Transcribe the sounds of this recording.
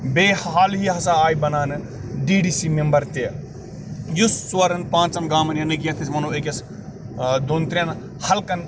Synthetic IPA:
beːhɦaːlɦiɦɐsaaːjbɐnaːnɨ | ɖiːɖiːsimembɐɾt̪e | jusːʋɐɾɐnpãːnt͡ʃɐnɡaːmɐnjɐnɨkʲjɐt̪ʰismɐnoːekʲjɐs | d̪ont̪ɾʲijan | hɐlkɐn

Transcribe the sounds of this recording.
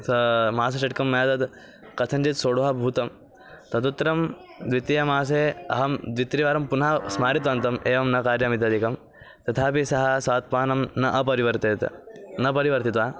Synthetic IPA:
sɐmaːs̬ɐt͡ʃɐʈkɐmːɐjat̪ɐd̪ | kɐt̪ʰɐɲd͡ʒit̪soːɽuɦɐbʱuːt̪ɐm | t̪ɐt̪ut̪ːɾɐm | d̪ʋit̪ijɐmaːs̬eːɐ̰ɦɐmd̪ʋit̪ɾiʋaːɾɐmpunasmaːɾit̪ʋɐnt̪ɐmeːʋɐmnɐkaːɾjɐmit̪ɐd̪ʱikɐm | t̪ɐt̪ʰaːpisɐɦɐsʋaːt̪̚paːnɐmnɐʔɐpɐɾiʋɐɾt̪eːt̪nɐpɐɾiʋɐɾt̪it̪ʋaː

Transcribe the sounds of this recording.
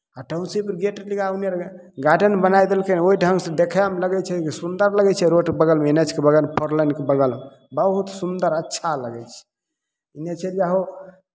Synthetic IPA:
aʈaunsipəɾɡeʈəliɡaunijaɾ | ɡaʈənbənajd̪elkeneoiɖʱəŋɡsẽd̪ekʰɛmləɡɛt͡ʃʰɛkisund̪əɾləɡɛt͡ʃʰɛɾoʈkebəɡəlmeenet͡ʃʰkebəɡəlpəɾlənkebəɡəlme | bəɦut̪sund̪əɾətːʃʰaləɡɛt͡ʃʰɛ̥ | inet͡ʃʰɛd͡ʒaɦo

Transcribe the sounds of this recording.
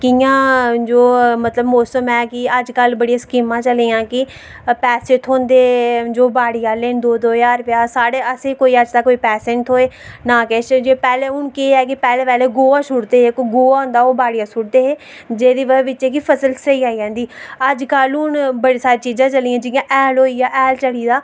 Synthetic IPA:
kɪjãːd͡ʒoːmət̪ləbmoːsəmɛːkɪəd͡ʒkəlbəɽijãːskiːmãːt͡ʃəleːjãːkɪ | pɛːsẽʈɦoːnd̪eːd͡ʒoːbaːɽijaːleːnd̪oːd̪oːjaːɾpɪaːsaːɽeːəseːkoːiːəd͡ʒt̪aːkoːiːpɛːsẽːɳʈɦoːeːnaːkɛːt͡ʃd͡ʒeːpɛːleːʊnkeːɛːk̬ɪpɛːleːpɛːleːɡoːaːʃʊɽd̪eːekɡoːaːɦʊ̃nd̪aːoːbaːɽijaːsʊɽd̪eːɦeː | d͡ʒeːd̪iːʋəʋɪtːt͡ʃeːkipʰəsəlsəiːaːid͡ʒãːnd̪iːəd͡ʒkəlʊnbəɽiːsaːɾiːt͡ʃiːzãːt͡ʃəliːãːd͡ʒɪjãːʔɛːlɦoːiːaːʔːlt͡ʃəɽiːd̪aː

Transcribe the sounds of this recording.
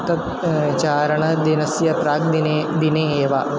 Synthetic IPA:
t̪ɐt̪ | t͡ʃaːɾɐɳɐd̪inɐsjɐpɾaːk̚d̪nd̪ineeːʋaː

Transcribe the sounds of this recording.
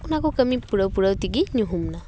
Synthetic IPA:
kunakokəmipuɽəwpuɽəwt̪iɡinuɦumna

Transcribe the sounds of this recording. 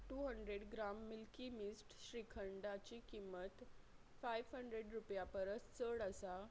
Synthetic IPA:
ʈuɦəɳɖɾeɽɡɾamːilkimisʈɕɾikʰəɳɖat͡ɕikimːət̪ | fajʋɦəɳɖɾeɽɾupjapəɾət͡st͡səɽəsa

